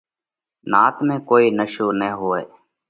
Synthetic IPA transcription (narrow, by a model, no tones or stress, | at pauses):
naːt̪mẽːkoːiːnəʃoːnəĩɦoːeː